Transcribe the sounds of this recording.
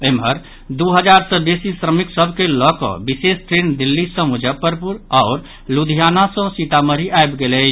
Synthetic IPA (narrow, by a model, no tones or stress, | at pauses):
emɦəɾ | d̪uɦəd͡ʒaɾsɔbesisɾəmiksəbʱkelɔkɔ̰bisesʈɾend̪ilːisə̃mud͡ʒəpəɾpuɾɔːɾ | lud̪ʱijanasə̃sit̪aməɾiʔaebɡelɛ